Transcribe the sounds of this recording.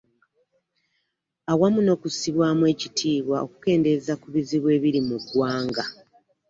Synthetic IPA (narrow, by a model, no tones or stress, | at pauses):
awamuno̞ːkusiβwaːmwe̞ːcitʰiːβwao̞̰ku̥ke̞ːnde̞zakuβiziβwe̞ːβiɾimuɡwaːŋɡa